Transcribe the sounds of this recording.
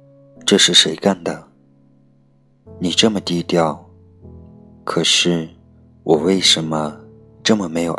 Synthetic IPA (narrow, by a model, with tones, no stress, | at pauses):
ʈ͡ʂɤ˥˧ʂɻ̩˥˩ʂe˧˥ɪka˥˩nd̪ə˩ | ni˨˩ʈ͡ʂɤ˥˩mə˩t̪i˥t̪jɑ˥˩ʊ | kʰɤ˨˩ʂɻ̩˥˩ | wɔ˨˩we˥˩ɪʂə˧˥nmə˧ | ʈ͡ʂɤ˥˩mə˨˩me˧˥ɪjo˨˩